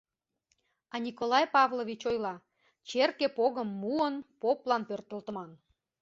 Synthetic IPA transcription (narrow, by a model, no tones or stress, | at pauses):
ɑnʲikolˠɑjpɑvlˠovʲit͡ɕojlɑ | t͡ɕerkepoɣəmːuənpoplɑnpørt̪ə̆lt̪əmɑn